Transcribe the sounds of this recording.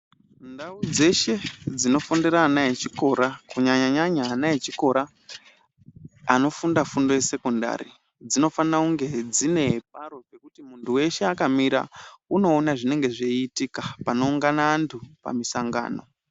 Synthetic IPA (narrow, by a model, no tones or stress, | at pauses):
ndaud͡ze̞ʃe̞d͡zino̞fondeɾaːnajet͡ʃiko̞ɾakuɲaɲaɲaɲaːnajet͡ʃiko̞ɾa | ano̞fundafundo̞je̞se̞konda̰ɾḭ | d͡zino̞fanauŋɡe̞d͡zine̞p̚aɾo̞pe̞kutimuntʰuwe̞ʃe̞akamiɾa̰uno̞ːnaʐine̞ŋɡe̞ʐeitikapano̞uŋɡanaantʰupa̰misaŋɡa̰ːno̞̰